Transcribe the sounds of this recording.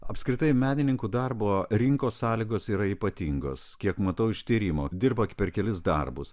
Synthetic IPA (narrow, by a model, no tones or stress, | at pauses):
ɐpʲskɾʲɪt̪ɐɪmʲæːnʲɪnʲɪŋkuːd̪ɐɾboːɾʲɪŋkoːssɑːlʲiːɡoːsiːɾɐiːpɐt̪ʲiŋɡo̰ːskʲiɛkmɐt̪ɐʊɪʃt̪ʲiːɾʲiːmoːd̪ʲɪɾbɐpʲɛɾkʲɛlʲɪsd̪ɐ̰rbʊs